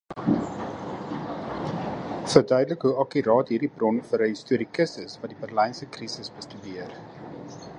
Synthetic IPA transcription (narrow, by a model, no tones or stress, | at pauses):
fərdœɥdələkɦuɐkiɾɑːtɦiːrdibrɔnfəɾɦəɦistuəɾikəsəsvɐt̚dibərləjnsəkrisəsbəstydiər